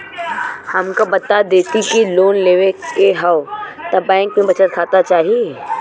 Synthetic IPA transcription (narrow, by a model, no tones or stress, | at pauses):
hɐmkobɐt̪ad̪eːt̪ikiloːnleːʋekeɦɐot̪ɐbɛ̃ːŋkmẽbɐt͡ʃət̪kʰaːt̪at͡ʃaːɦie